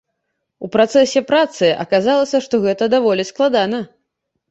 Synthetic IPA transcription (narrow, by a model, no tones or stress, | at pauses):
upɾat̪sɛsʲɛpɾat̪sɨʔɐ̰kazalˠɐsʲɐʂt̪ɔɣɛt̪ɐd̪avɔlʲisklˠad̪anɐ